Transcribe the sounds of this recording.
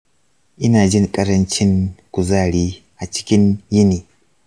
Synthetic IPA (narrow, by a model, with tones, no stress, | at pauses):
ʔɪ˦naː˨d͡ʒɪ˦ŋkʼɐ˦ɾɐ˦nt͡ʃɪ˦ŋkʷʊ˨zaː˦˨ɽiː˦ | ʔa˨t͡ʃɪ̥˦kʲɪ˦njɪ˦niː˨